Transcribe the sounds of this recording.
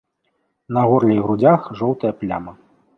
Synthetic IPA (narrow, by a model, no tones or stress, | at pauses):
nɐɣɔrlʲɛjɣɾud͡zʲaxʐɔwt̪ɐjɐplʲa̰mɐ